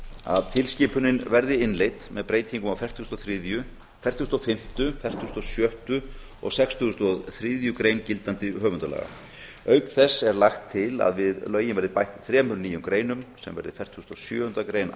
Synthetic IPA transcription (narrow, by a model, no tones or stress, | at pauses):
a̰ðt̪ʰɪlscɪːpʏnɪnvɛɾðɪɪnlejt̪mɛðpɾeːjt̪ʰiŋkʏmawfɛr̥t̪ust̪ɔθɾiðjʏ | fɛr̥t̪hust̪ɔfɪm̥t̪ʏfɛr̥t̪ust̪ɔsjœht̪ʏ | ɔ̰ɣsɛkst̪ʰʏst̪ɔθɾiːðjʏkɾejncɪlt̪ant̪ɪɦœːvʏnt̪alɛ̰ɣa̰ | œːɥkθɛsːɛɾlaxt̪ʰːɪla̰ðvɪðlœːɥjɪnvɛɾðɪpajht̪θɾɛːmʏnɾniːjʏmkɾeːjnʏmsɛ̰mvɛɾðɪfɛr̥t̪hust̪ɔsjœːʏnɾakɾeːjn